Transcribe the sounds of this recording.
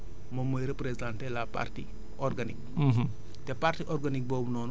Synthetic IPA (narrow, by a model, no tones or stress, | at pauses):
momːəjɾepɾezãntɛlapa̰rtḭ | ʔɔrɡanik̚ː | tɛpartiʔɔrɡanik̚bɔːbnɔːn